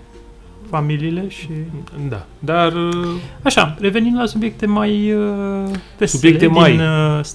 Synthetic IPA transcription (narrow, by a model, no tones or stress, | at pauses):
familiːle̞ʃid̪a̰d̪araʃare̞ve̞nimd̪lasubjek̚t̪e̞maj | vesut̪bjielet̪emaj̪s